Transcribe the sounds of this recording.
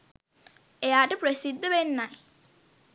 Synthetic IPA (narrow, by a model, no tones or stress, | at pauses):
ejaːʈəprəsid̪ːəʋenːaj